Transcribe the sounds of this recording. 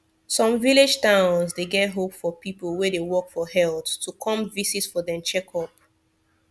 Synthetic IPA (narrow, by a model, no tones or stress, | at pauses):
sɔ̃ɱviled͡ʒtãʊ̃nzdeɡɛt̚ɦopfɔpipolˠwedewɔkfɔɦɛlˠttːukʰɔ̃mvisisfɔðɛ̃mt͡ʃɛkʰɔp̚